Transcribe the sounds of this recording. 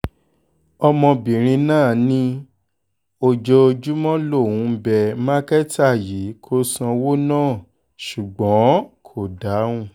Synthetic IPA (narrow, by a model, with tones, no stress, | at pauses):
ɔ˧mɔ̃˧bĩ˨ɾ̃ĩ˧nãː˦˨nĩ˧˦ | o˧d͡ʒɔ˧d͡ʒu˦mɔ̃˦lo˦˨wũ˨˦bɛ˧mã˦kɛ˦ta˦˨ji˨˦kʰo˦sɔ̃˧wo˦nãː˦˨ | ʃu˨ɡ͡bɔ̃˨˦kʰo˨da˨˦wũ˦˨